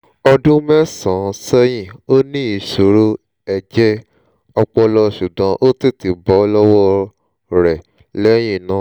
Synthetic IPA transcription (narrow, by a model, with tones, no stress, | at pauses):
ɔ˧dũ˦mɛ˦sã˨˦sɛ˦j̃ĩ˦˨o˦nĩ˦i˨so˨ɾo˦ | ɛ˨d͡ʒɛ˦ | ɔ˧k͡pɔ˧lɔ˧ʃu˨dã˨˦ʔo˦ti˦˨ti˨bɔ˨˦lɔ˦wɔ˦˧ | ɾɛ˨ | lɛ˦j̃ĩ˦˨nã˨˦